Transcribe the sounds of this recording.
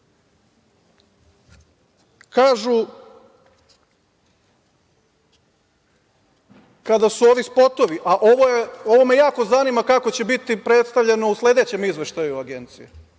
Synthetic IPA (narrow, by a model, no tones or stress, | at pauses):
kaːʒu | kad̪asuo̞ːʋispo̞t̪o̞ʋiʔaʔoʋojeo̞ʋo̞me̞jaːko̞zaniːmakako̞t͡ɕe̞bit̪ipɾe̞t̪st̪aʋʎe̞no̞usle̞d̪e̞t͡ɕe̞mizʋe̞ʃt̪ajuaɡe̞nt̪sije